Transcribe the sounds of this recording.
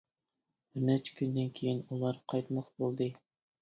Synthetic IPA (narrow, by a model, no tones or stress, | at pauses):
bɪɾnɛt͡ʃʰkʲʰynd̪ɪnkʲʰejinulˠɑɾqʰɑjt̪mɑχbolˠd̪ɨ